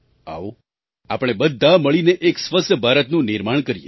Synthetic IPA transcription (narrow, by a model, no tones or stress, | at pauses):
a̰o | apɽ̃ebəd̪ʱːaməɭineʔeksʋəst̪bʱaɾət̪nũnɪɾmaɳkəɾijḛ